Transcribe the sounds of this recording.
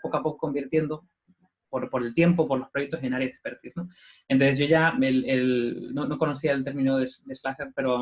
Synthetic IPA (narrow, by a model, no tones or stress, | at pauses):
pokapo̞koko̞mbiɾt̪je̞nd̪o̞ | poɾpo̞ɾe̞lt̪je̞mpopoɾlo̞spɾo̞jek̚t̪os̬e̞naɾjeasespeɾt̪isno | ensezʝo̞ʝaelelnono̞ko̞no̞siaelt̪e̞ɾmĩnoðesd̪eslaxeɾpe̞ɾoa